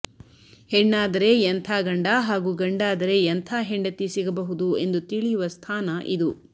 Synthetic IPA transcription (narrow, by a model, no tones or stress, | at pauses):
heɳːaːd̪ɐɾe̞jent̪ʰaːɡɐɳɖaɦaːɡuːɡɐɳɖaːd̪ɐɾe̞jɐnt̪ʰaːɦeɳɖɐt̪ːisiɡɐbɐɦud̪ue̞nd̪ut̪iɭijuʋɐst̪ʰaːnɐʔid̪u